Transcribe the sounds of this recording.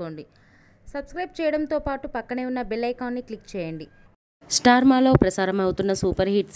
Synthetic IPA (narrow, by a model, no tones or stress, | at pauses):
oːɳɖi | sɐbskɾɐjb̚t͡ʃɛːjɐɽɐnt̪o̞ːpaːʈupɐkːɐɳeːunːɐbilɐjkaːnːiklikːt͡ʃɛːjɐɳɖi | sʈaːɾmaːlo̞ːpɾɐsaːɾɐmɐwut̪unːɐsuːpɐɾɦiʈs